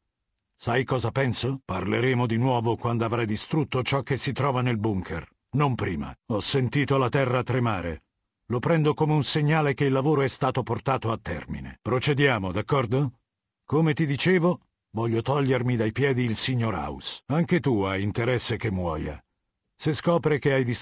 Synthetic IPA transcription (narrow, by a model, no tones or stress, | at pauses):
sajkɔːzapɛnsoparleɾeːmod̪inwɔːvokwand̪oavɾajd̪ist̪ɾut̪ːot͡ʃɔkːesːit̪ɾɔːvanelbuŋkʰer | nompɾḭːma̰ɔsːent̪iːt̪olat̪ɛrːat̪ɾema̰ːɾḛ | lopɾɛnd̪okomeunseɲːaːlekeilːavoːɾoɛst̪aːt̪oport̪aːt̪oat̪ːɛ̰rmḭnḛpɾot͡ʃed̪jaːmod̪akːɔrd̪o | komet̪id̪it͡ʃeːvo | vɔʎːot̪ɔʎːermid̪ajpjɛːd̪iːlsiɲːoɾa̰usaŋket̪uajint̪eɾɛsːek̟emːwɔ̰ːja̰ | seskɔːpɾikeajd̪is